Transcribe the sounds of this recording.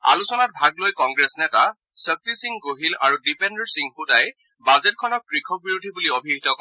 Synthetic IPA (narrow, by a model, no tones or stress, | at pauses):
a̰lusɔnat̚bʱaɡlojkɔŋɡɹesnɛta | sək̚tisiŋɡoɦila̰ɹudipɛndɔɹsiŋxutaj | bazɛtkʰɔnɔkːɹikʰɔk̚biɹodʱibuliobʱiɦitɔkɔ